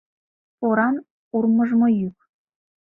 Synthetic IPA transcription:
oɾɑn | urmɤʒmojyk̚

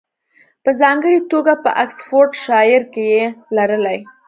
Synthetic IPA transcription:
pəzɑŋɡəɽit̪oɡapə̰ʔaksfoɾʈʃɑjɪɾkejelaɾəlaj

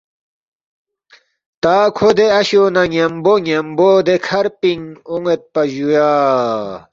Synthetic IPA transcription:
t̪aːkʰod̪eɐɕonɐŋemboŋemboːd̪ekʰɐɾpiŋoŋet̪̚pɐʑujaː

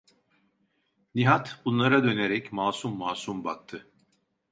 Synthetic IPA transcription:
niɦat̪bunlˠaɾad̪ø̞neɾɛcmaːsumːaːsumbak̚t̪ʰɯ

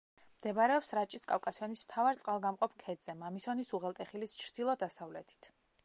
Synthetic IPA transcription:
md̪̥ɛbaɾɛɔpsɾat͡ʃʼiskʼavkʼasiɔnism̥t̪ʰavaɾt̪sʼqʼalˠɡamqʼɔpʰkʰɛd̪z̥ɛmamisɔnisuʁɛlˠt̪ʼɛχilist͡ʃʰɾd̪ilˠɔd̪asavlɛt̪ʰi̥t̪ʰ

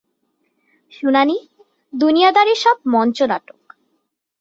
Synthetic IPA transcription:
ʃunani | d̪unijad̪aɾeʃɔb̚mɔnt͡ɕona̰ʈok

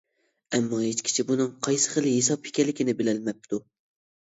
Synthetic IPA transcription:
ɛmːɑɦet͡ʃkʲʰi̥t͡ʃʰibunɨŋqʰɑjsɨ̥χəlˠɦesɑphi̥kʲɛlːɪkʲinɪbɪlɛlmɛp̚t̪ʰu

